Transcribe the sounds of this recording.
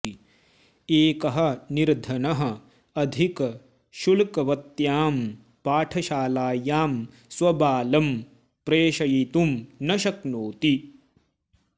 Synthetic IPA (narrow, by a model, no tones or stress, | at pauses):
i | eːkɐɦɐ̆niɾd̪ʱɐnɐɦɐ̆ | ɐd̪ʱikɐ | ʃulkɐʋɐt̪jaːm | paːʈʰɐʃaːlaːjaːm | swɐbaːlɐm | pɾeːʃɐjit̪umnɐʃɐknoːt̪i